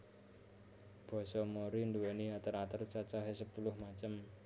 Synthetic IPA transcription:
b̥ɔ̤sɔmoɾind̪uwɛniat̪əɾat̪ərt͡ʃat͡ʃaɦesəpulʊhmat͡ʃəm

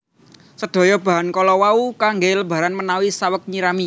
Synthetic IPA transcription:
səd̥ɔ̤jɔb̥a̤ɦankɔlɔwaukaŋɡeləb̥a̤ɾanmənawisawək̚ɲiɾami

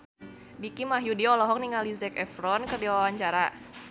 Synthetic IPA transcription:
dikimaɦjudiɔlɔɦɔk̚niŋalizɛkɛfɾɔnkərdiwawaɲt͡ʃaɾa

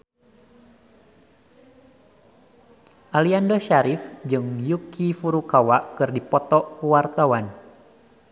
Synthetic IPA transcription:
ʔaliandɔʃaɾɪfd͡ʒɨŋjukʰifuɾukawaʔkɨrdipɔt̪ɔkuwart̪awan

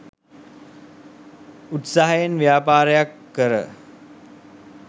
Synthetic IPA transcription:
ut̪saɦajenʋjaːpaːɾəjakːəɾə̰

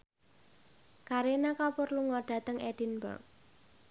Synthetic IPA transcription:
kaɾienakapʊrluŋɔɖ̥ä̤t̪əŋɛd̥inbə̰rk̚

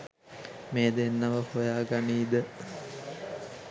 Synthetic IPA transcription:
meːd̪enːɐʋəhojaːɡaniːd̪ə

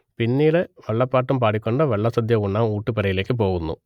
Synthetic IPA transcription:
pinːiːlɨʋɐɭːɐpːaːʈːumpaːɽikʲːo̞ɳɖɨʋɐɭːɐsɐd̪jɐuɳːaːmuːʈːɨpɐɾɐjile̞ːkːɨp̬o̞ːɣunːṵ

